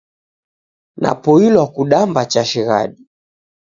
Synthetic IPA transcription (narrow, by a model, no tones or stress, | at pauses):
na̰pɔilwakuɗambat͡ʃaʃiɣa̰ɗi